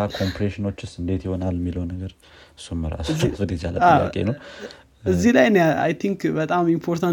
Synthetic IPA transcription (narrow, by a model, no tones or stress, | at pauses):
akʰo̞mpʰɾeʃɪno̞t͡ʃːʊsɨnd̪e̞t̪jɪhonalːjɛmːiləwnːəɡəɾ | ɨsːumːəɾa̰skfɨd̪id͡ʒa̰lːə̰aja̰kʼḛnəw | ɨzːilajnəa̰jt̪ʰiŋkbət̪ʼamimpʰo̞ɾt̪ʰan